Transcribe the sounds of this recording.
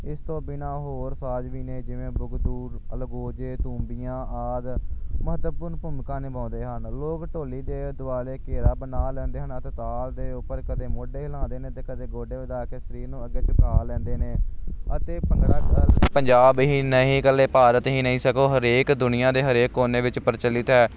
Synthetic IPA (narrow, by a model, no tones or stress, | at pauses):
ɪst̪õːbɪnaːɦoːɾsaːd͡ʒʋiːneːd͡ʒɪʋẽːbʊɡd̪uːɾəlɡoːd͡ʒeːt̪ũːmbijãːʔaːd̪məət̪pʊːɾnpʊmkãːnɪbãːnd̪eːɦənloːkʈoːliːd̪eːd̪ʊaːleːkeːɾaːbənaːlɛ̃ːnd̪eːɦənət̪et̪aːld̪eːʊpːəɾkəd̪eːmoːɖeːɦəlãːnd̪eːnẽːt̪eːkəd̪eːɡoːɖeːʋɪd̪aːkeːʃəɾiːɾnũːəɡːeːt͡ʃʊkʰaːlɛ̃ːnd̪eːneːət̪eːpə̃ŋɡɽaːkəlpəɲd͡ʒaːbɦiːnəɦĩːkəlːeːpaːɾət̪ɦiːnəɦĩːsəkoːɦəɾeːkd̪ʊnɪjãːd̪eːɦəɾeːkːoːneːʋɪt͡ʃpəɾt͡ʃəlːɪt̪ɦɛː